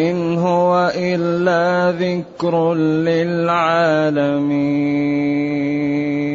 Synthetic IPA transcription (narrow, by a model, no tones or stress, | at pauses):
ɪnɦʊwaʔɪlːaːðɪkɾlɪlʕaːlami